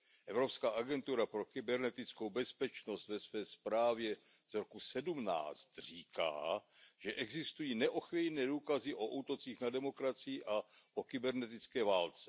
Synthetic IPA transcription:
ʔɛvɾo̞pskaːʔaɡɛnt̪uɾapɾo̞kɪbɛɾnɛt̪ɪt͡sko̞wbɛspɛt͡ʃno̞st̪vɛsvɛːspɾaːvjɛ | zɾokusɛdumna̰ːt͡st̪r̝̥iːka̰ːʒɛʔɛɡzɪst̪ujiːnɛʔo̞xvijnɛːduːkazɪʔoʔut̪o̞t͡siːxnadɛmo̞kɾat͡sɪjɪʔaʔokɪbɛɾnɛt̪ɪt͡skɛːvaːlt͡sɛ̥

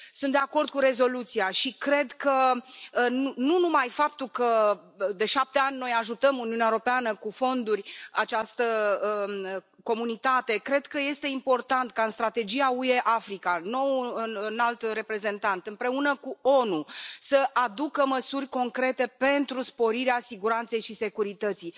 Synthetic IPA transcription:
sunt̪d̪eako̞rd̪̚kuɾe̞zo̞lut̪siaʃikɾe̞d̪kə | nununumajfap̚t̪ulkə | d̪e̞ʃap̚t̪e̞anʲno̞jaʒut̪əmuniuneaeɾopeanəkufo̞nd̪urʲat͡ʃast̪ə | ko̞munit̪at̪e̞kɾe̞d̪kəje̞st̪e̞impo̞rt̪ant̪kaɨnst̪ɾat̪e̞d͡ʒiaue̞ʔafɾikano̞wɨnalt̪re̞pɾe̞ze̞nt̪ant̪ɨmpɾe̞unəkuo̞nusəʔad̪ukəməsurʲko̞ŋkɾe̞t̪e̞pe̞nt̪ɾuspo̞ɾiɾeasiɡuɾant̪se̞jʃise̞kuɾit̪ət̪sij

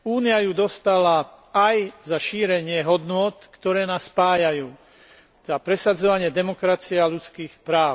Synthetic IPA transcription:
uːniajud̪ɔst̪ala | ajzaʃiːɾɛɲɪɛɦɔd̪nʊɔt̪kt̪ɔɾɛːnaːsːpaːjajuː | t̪ɛd̪apɾɛsad͡zɔʋaɲɪɛd̪ɛmɔkɾat͡siɛalut͡skiːxpɾaːʊ

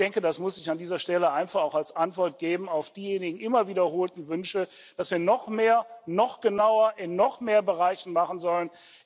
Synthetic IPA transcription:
d̥ɛŋkədasmʊsɪçandiːzɐʃtɛləʔaɪnfaχaʊxalsʔantv̥ɔɐt̚ɡ̥eːbm̩aʊfd̥iːjeːnɪɡŋ̩ʔɪmɐviːdɐɦoːltn̩vʏnʃə | d̥asv̥iːɐnɔχmeːɐnɔχɡ̥ənaʊɐʔɪnːɔχmeːɐbəʁaɪçn̩maχn̩zɔlən

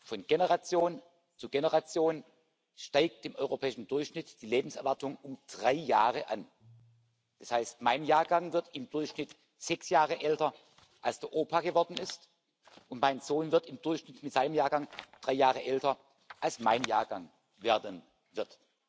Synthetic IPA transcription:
fɔnɡ̥enəʁat͡sjoːn | t͡suɡenəʁat͡sjoːn | ʃtaɪk̚t̚d̥ɪmʔɔʏʁopʰɛːɪʃn̩dʊɐçʃnɪtd̥iːleːbm̩sɛɐvaɐtʊŋʊmd̥ʁaɪjaːʁəʔan | d̥ashaɪstmaɪnjaːɐɡaŋvɪɐtɪmd̥ʊɐçʃnɪt | z̥ɛksjaːʁəʔɛltɐ | ʔalsd̥eɐʔoːpʰaɡəvɔɐdn̩ɪst | ʔʊntmaɪnz̥oːnvɪɐtɪmdʊɐçʃnɪtmɪtz̥aɪnəmjaːɐɡaŋd̥ʁaɪjaːʁəʔɛltɐ | ʔalsmaɪnjaːɐɡaŋ | veːɐdən | vɪɐt

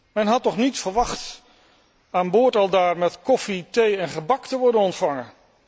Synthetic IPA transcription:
mɛnɦɑtːɔχnitfəɹʋɑχt | aːnboːɹtɑlˠdaːɹmɛtkɔfitejɛnχəbɑktəʋɔɹdənɔntfɑŋən

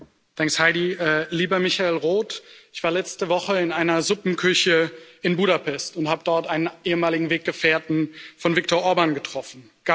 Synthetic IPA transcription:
d̥aŋkshaɪdiʔɛliːbɐmɪçaeːlʁoːtɪçv̥aːɐlɛt͡stəvɔχəɪnaɪnɐzʊpm̩kʰʏçəɪnbuːɾapʰɛstʊnthaːbədɔɐtʔaɪnənʔeːəmaːlɪɡŋ̩veːk̚ɡ̥əfeːɐtn̩fɔnvɪk̚tɔɐʔɔɐbaːnɡətʁ̥ɔfn̩ | ɡ̥a

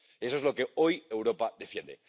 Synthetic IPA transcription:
esoelo̞keojewɾopaðefjẽ̞̰nd̪ḛ

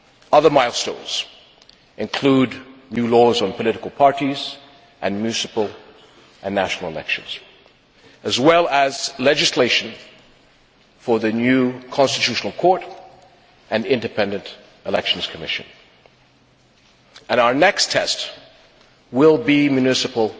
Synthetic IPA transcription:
ʌðə˞maɪlˠstõʊ̃nz̥ | ɨ̃nkʰl̥udⁿnjʉlɔzn̩pʰəlɪɾɨkl̩ˠpʰɑɹɾiz | ʔɨ̃nmjʉsɨpl̩ˠ | ɨ̃nːæʃn̩l̩ˠə̰lɛ̰kʃɨ̰̃nz̥ | ɨzwɛlˠəz̥lɛd͡ʒɨsleɪʃɨ̃n̩ | fə˞ðɨnjʉkʰɑ̃nstɨtʰʉʃn̩l̩ˠkʰɔɹɾ | ɨ̃nɪ̃ndɨpʰɛ̃ndɨ̃nt | ɨlɛkʃn̩z̥kʰəmɪ̰ʃɨ̰̃n | ɨ̃naʊə˞nɛkstʰɛst | wɪlˠbimjʉnɪsɨpl̩ˠ

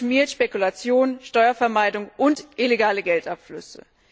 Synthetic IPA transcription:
miːɐtʃpekulat͡sjoːnʃtɔʏɐfɛɐmaɪdʊŋʔʊntʔɪleɡaːləɡɛltʔapflʏ̰sə̰

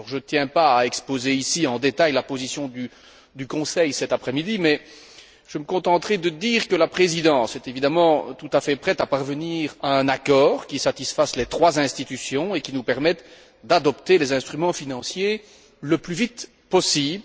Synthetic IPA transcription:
ɔʁʒət̪jɛ̃paːɛkspozeisiɑ̃d̪et̪ajlapozisjɔ̃d̪y | d̪ykɔ̃sɛjsɛt̪apχɛmid̪imɛ | ʒ̥əməkɔ̃t̪ɑ̃t̪χɛd̪əd̪iːʁkəlapχezid̪ɑ̃sɛt̪evid̪amɑ̃t̪ut̪afɛpχɛt̪apaʁvəniːʁaɛ̃nakɔːʁkʲisat̪isfaslet̪χwazɛ̃st̪it̪ysjɔ̃ekʲinupɛʁmɛt̪ | d̪ad̪ɔpt̪elezɛ̃st̪χymɑ̃finɑ̃sje | ləplyvit̪ | pɔsiːb

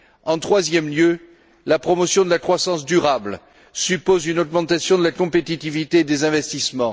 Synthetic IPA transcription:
ɑ̃t̪χwazjɛmljø | lapχɔmɔsjɔ̃d̪əlakχwasɑ̃sd̪yʁabl | sypozynɔɡmɑ̃t̪asjɔ̃d̪əlakɔ̃pet̪it̪ivit̪ed̪ezɛ̃vɛst̪ismɑ̃

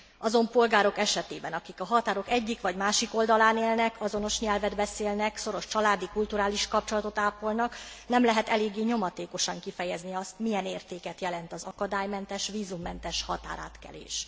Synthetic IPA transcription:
ʔɒzo̞mpo̞lɡaːɾo̞kɛʃɛt̪eːbɛnɒkikɒɦɒt̪aːɾo̞kɛɟːikʋɒɟmaːʃiko̞ld̪ɒlaːneːlnɛkʰɒzo̞no̞ʃɲɛlvɛd̪bɛseːlnɛkso̞ɾo̞ʃt͡ʃɒlaːd̪ikult̪uɾaːliʃkɒp̚t͡ʃo̞lɒt̪o̞t̪aːpo̞lnɒknɛmlɛɦɛt̪ɛleːɡːeːɲo̞mɒt̪eːko̞ʃɒŋkifɛjɛzniɒst̪mijɛneːrt̪eːkɛt̪jɛlɛnt̪ɒzɒkɒd̪aːjmɛnt̪ɛʃviːzumːɛnt̪ɛʃhɒt̪a̰ːɾa̰ːt̪kɛ̰lḛːʃ

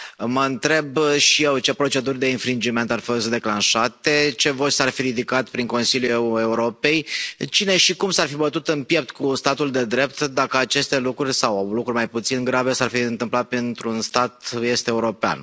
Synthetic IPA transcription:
məɨnt̪ɾe̞bʃije̞wt͡ʃe̞pɾo̞t͡ʃe̞d̪urʲd̪e̞infɾind͡ʒime̞nt̪arfost̪d̪e̞klanʃat̪e̞t͡ʃe̞vo̞t͡ʃʲsarfiɾid̪ikat̪pɾiŋko̞nsiljuee̞uɾo̞pe̞jt͡ʃine̞ʃikumsarfibət̪ut̪ɨnpje̞p̚t̪kust̪at̪uld̪e̞d̪ɾe̞p̚t̪d̪akəat͡ʃe̞st̪e̞lukɾurʲsawawlukɾurʲmajput̪sinɡɾave̞sarfiɨnt̪ɨmplat̪̚pent̪ɾunst̪at̪je̞st̪eeuɾo̞pea̰n

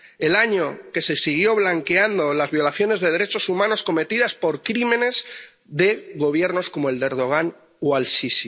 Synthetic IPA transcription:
e̞laɲo̞ke̞se̞siɣ̞jo̞β̞laŋke̞and̪o̞lazβjo̞laθjo̞ne̞zðe̞ð̞e̞ɾe̞t͡ʃo̞sumãno̞sko̞me̞t̪iðaspo̞ɾkɾimẽ̞ne̞z | ðe̞ɣo̞βje̞ɾno̞sko̞moe̞ld̪e̞ɾð̞o̞ɣ̞an | oalsisi

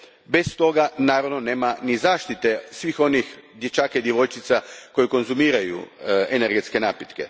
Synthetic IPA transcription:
be̞st̪o̞ɡanaːɾaʋnoneːmanizaːʃt̪it̪e̞sʋixo̞nixd̪jet͡ʃaːkaid̪jeʋo̞jt͡ʃit̪sako̞jiko̞nzumiːɾajṵeneɾɡet̪ske̞naːpjet̪ke̞

